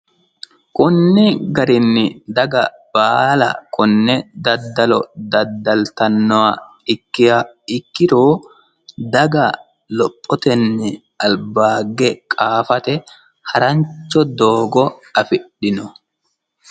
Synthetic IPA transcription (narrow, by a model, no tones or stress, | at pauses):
kʊnːɪɡɐɾɪnːɪd̪ɐɡɐb̥aːlɐ̰kʊnːɛd̪ɐd̪ːɐlɔ̰d̪ɐd̪ːɐlt̪ɐnːɔwa | ɪkːɪjɐɪkːɪɾoː | d̪ɐɡɐ | lɔpʼːɔt̪ɛnːɪ | ɐlbaːɡːɛkʼaːfɐt̪ɛ | hɐɾɐɲt͡ʃːɔd̪oːɡɔɐfɪɗːɪnɔ